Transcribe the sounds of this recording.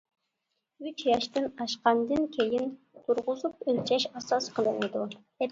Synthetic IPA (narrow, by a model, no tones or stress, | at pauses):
yt͡ʃjɑʃt̪ɨnɑʃqɑnd̪ɨnkʲʰejin | t̪uɾʁʊzupølt͡ʃʰɛʃɑsɑsqʰəlˠɨŋɨd̪u | ɛ